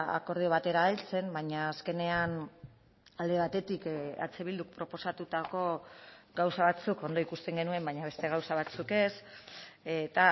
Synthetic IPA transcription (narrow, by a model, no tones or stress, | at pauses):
a̰ko̞ɾð̞io̞β̞at̪e̞ɾalt͡se̞mbaɲaːske̞ne̞an | ald̪e̞βat̪e̞t̪ika̰t͡seβild̪ukpɾo̞po̞sat̪ut̪ako̞ɡawsaβat͡suko̞nd̪o̞ikust̪e̞ŋɡe̞nue̞mbajɲaβ̞e̞st̪e̞ɣ̞awsaβ̞at͡suke̞s | et̪a